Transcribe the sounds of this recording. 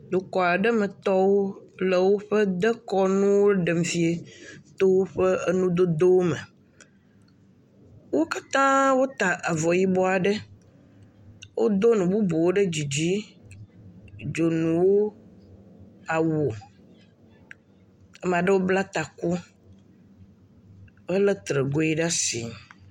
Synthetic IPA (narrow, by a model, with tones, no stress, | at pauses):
d̪o˨kɔ˨a˨ɖɛ˦mɛ˨t̪ɔ˦wo˦le˨wo˦ɸɛ˦d̪ɛ˦kɔ˦nũ˦wo˦ɖe˨m˨fi˦e˨t̪o˦wo˦ɸe˦e˦nũ˦d̪o˦d̪o˦wo˦mḛ˨ | wo˦ka˦t̪ã˦wo˦t̪a˨ʔa˨vɔ˨ji˦bɔ˦a˨ɖe˦ | wʔo̰˦d̪o˦nũ˨bu˦bo˨wo˦ɖe˦d͡ʑi˨d͡ʑi˦ | d͡ʒo˨nũ˨wo˦ | a˨wo˨ | ɛ˦m˨a˨ɖe˦wo˦bla˦t̪a˨ku˦ | e˦le˦t̪ɾe˨ɡo˦i˦ɖa˦si˨ŋ˨